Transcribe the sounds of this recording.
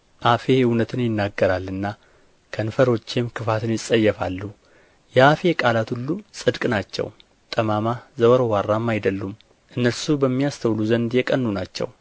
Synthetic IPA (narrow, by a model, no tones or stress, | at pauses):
ʔafe̞hɪwnət̪ʰɨnjɪnːaɡːəɾalːɨnːa | kʰənfəɾo̞t͡ʃːemkʰɨfat̪ʰɨnjɪsʼːəjːɛfalːu | jɛafe̞kʼalat̪hulːusʼɨd̪kʼnat͡ʃːɛ̰w | t̪ʼəmamazəwəɾowarːamːajd̪əlːum | ʔɨnːəlsubəmːijast̪ʰəwluzənd̪jɛkʼənːunat͡ʃːɛ̰w